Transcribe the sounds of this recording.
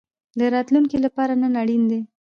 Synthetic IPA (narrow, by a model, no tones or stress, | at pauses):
d̪əɾɑt̪luŋkilapɑɾanənaɽind̪e